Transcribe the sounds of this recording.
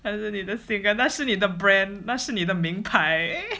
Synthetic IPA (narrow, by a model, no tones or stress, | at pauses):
naʂɻ̩nid̪əsiŋkənaʂɻ̩nid̪əbɹɛnnaʂɻ̩nid̪əmiŋpaɪ